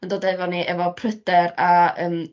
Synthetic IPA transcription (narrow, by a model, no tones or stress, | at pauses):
əndoːdɛvɔniʔɛvɔpʰrədɛɾaəːm